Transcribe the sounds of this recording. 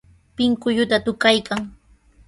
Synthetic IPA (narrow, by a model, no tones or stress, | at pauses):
pɪŋkʊʎʊt̪at̪ʊkajkaŋ